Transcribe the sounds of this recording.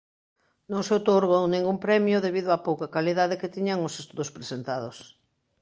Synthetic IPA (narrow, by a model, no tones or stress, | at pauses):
nõŋseot̪oɾɣownẽŋɡumpɾɛmjʊðeβiðʊapowkakaliðaðɪkɪt̪iɲaŋosest̪uðʊspɾesent̪aðos